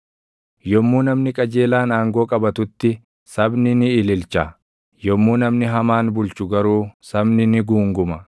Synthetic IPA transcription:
jɔmːuːnɐmnɪkʼɐd͡ʒe̞ːlaːnaːŋɡo̞ːkʼɐbɐt̪ʊt̪ːɪ | sɐbnɪnɪːlɪlt͡ʃɐ | jɔmːuːnɐmnɪɦɐmaːnbʊlt͡ʃʊɡɐɾuːsɐbnɪnɪɡuːŋɡʊmɐ

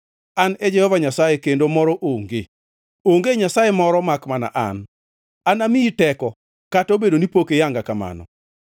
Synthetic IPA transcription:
aned͡ʒɛhɔvaɲasajekendomɔɾɔʔoŋɡe | oŋɡeɲasajemɔɾɔmakmana̰ʔa̰n | anamiitɛkɔ | katobedonipokejaŋɡakama̰nɔ̰

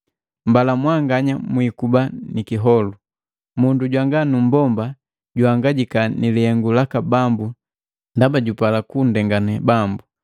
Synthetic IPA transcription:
m̩balamwaŋɡaɲamwikubanikiɦɔlu | munduɟwaŋɡanum̩bɔmba | ɟuaŋɡaɟikanilihɛŋɡulakabambu | ndabaɟupalakun̩dɛŋɡanɛbambu

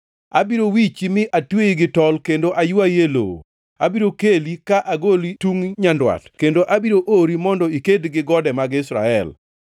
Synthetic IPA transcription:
a̰biɾowit͡ʃimɪʔatweiɡɪtɔlkendoʔajʊajelo̰ | abiɾokelikaʔaɡolituŋɲandwa̰tkendoʔabiɾoʔoɾimɔndɔikedɡɪɡɔdɛmaɡɪsɾa̰ɛl

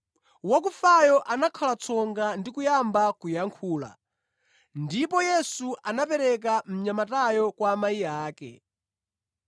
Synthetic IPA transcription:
wakufajɔʔanakʰalat͡sʰɔŋɡandikujambakujaŋkʰuːla̰ | ndipɔjɛsuʔanapɛɾɛk̬am̩ɲamatajɔkwaːmaiaːkɛ̰

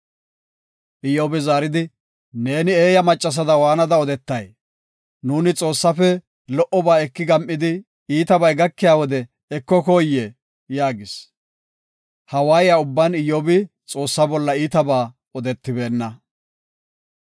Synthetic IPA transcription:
ʔɪjoːbɪzaːɾɪd̪ɪ | ne̞ːnɪe̞ːjɐmɐt͡ʃʼːɐs̬ɐd̪ɐwaːnɐd̪ɐɔd̪ɛt̪ːɐj | nuːnɪt͡sʼo̞ːsːɐfɛ | lɔʔɔbaːɛkːɪɡɐmʔɪd̪ɪ | iːt̪ɐbɐjɡɐkːɪjaːwɔd̪ɛ | ɛkːɔkoːjːe | jaːɡɪs | hɐwaːjɪjaʊbːanɪjoːbɪ | t͡sʼo̞ːsːɐbɔlːɐiːt̪ɐbaː | ɔd̪ɛt̪ːɪbe̞ːnːɐ

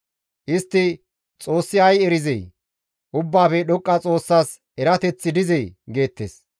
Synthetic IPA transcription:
ʔɪst̪ːɪ | t͡sʼo̞ːsːɪɐjɛɾɪzɛj | ʔʊbːaːfɛɗɔkʼːɐt͡sʼo̞ːsːaːs | ɛɾɐt̪ɛt͡sːɪd̪ɪzɛjɡe̞ːt̪ːḛːs

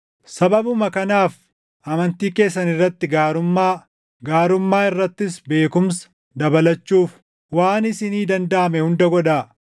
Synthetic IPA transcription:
sɐbɐbʊmɐkɐnaːf | ʔɐmɐnt̪iːke̞ːsːɐnɪrːɐt̪ːɪɡaːɾʊmːaː | ɡaːɾʊmːaːɪrːɐt̪ːɪsbe̞ːkʊmsɐ̥ | d̪ɐbɐlɐt͡ʃːuːf | waːnɪsɪniːd̪ɐnd̪aʔɐmɛhʊnd̪ɐɡɔᶑaː

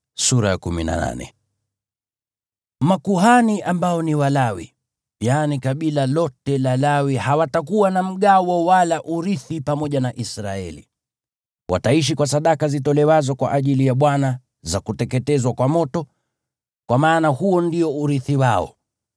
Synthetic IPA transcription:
suɾajakumina̰na̰nɛ̰ | makuɦaniʔambaɔniwalawḭ | janikaɓilalɔtɛlalawihawatakuwanam̩ɠawɔwalaʔuɾiθipamɔʄanaʔisɾa̰ɛ̰lḭ | wʔa̰taiʃ̬ikwasaɗakazitɔlɛwazɔkwa̰ʔaʄilijaɓwana | zakutɛkɛtɛzwakwamɔtɔ | kwamaːnahuɔndiɔuɾiθiwaɔ̰

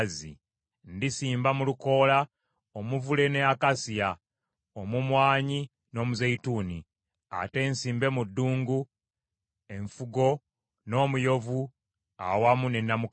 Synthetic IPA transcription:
zḭ | ndisiːmbamuluko̞ːla | omuvule̞neakasija | omumwaːɲi | no̞ːmuzejituːni | a̰te̞ːnsiːmbe̞mudːuːŋɡu | e̞ɱfuɡo̞ | no̞ːmujo̞vu | a̰wamune̞nːamuk

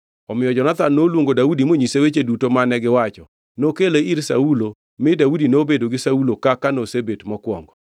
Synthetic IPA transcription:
ɔmɪjɔd͡ʒɔnat̪anːolwoŋɡodaudimoɲisewet͡ʃedutomanɛɡɪwat͡ʃɔ | nokeleiɾsa̰ulo | mɪdaudinobedoɡɪsaulokakanosebetmɔkwɔ̰ŋɡɔ

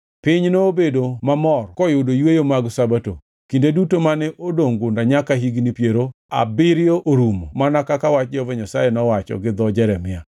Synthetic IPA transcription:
pɪɲnoːbedomamɔrkɔjʊdojwejomaɡsabato̰ | kindedutomanɛʔodoŋɡʊndaɲakaɦiɡnipjeɾoa̰bɪɾɪjoʔoɾumomanakakawat͡ʃd͡ʒɔvɛɲasajɛnɔwat͡ʃɔ̰ɡɪd̪ɔd͡ʒɛɾɛmɪa

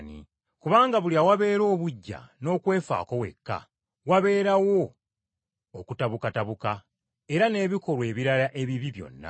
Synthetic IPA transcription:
nḭ | kuβaːŋɡaβuliawaβe̞ːɾo̞ːβuɟːa̰no̞ːkwe̞ːfa̰ːko̞we̞̰kːa̰ | waβe̞ːɾawo̞ | kutaβukataβuka | e̞ɾane̞ːβiko̞ɾwe̞ːβiɾalaʔe̞βiβiβjo̞̰nːa̰

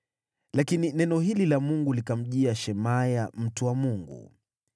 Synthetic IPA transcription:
lakininɛnɔɦililamuŋɡulikam̩ʄiaʃɛmajam̩tuwamuŋɡṵ

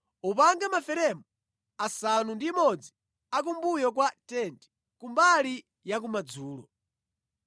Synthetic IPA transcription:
upaŋɡamafɛɾɛmu | asanundimɔd͡zi | ak̬umbujɔk̬watɛntɛ̥ | kumbali | jak̬umad͡zuːlɔ

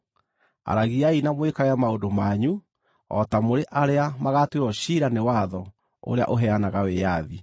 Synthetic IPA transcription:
a̰ɾaɣiainamwekaɣɛamaodomaɲu | ɔ̰tamoɾeʔaɾeamaɣatweɾɔɕiɾanewaðɔ | o̰ɾea̰ʔoɦɛanaɣawejaði

